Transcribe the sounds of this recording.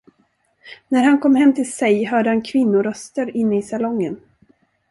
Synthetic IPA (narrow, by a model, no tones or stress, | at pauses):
næɾhankʰɔmːhɛmːt̪ʰɪlsɛjɦœːɖəhankʰvɪnːʊɾœst̪əɾɪnːəɪsalɔŋːən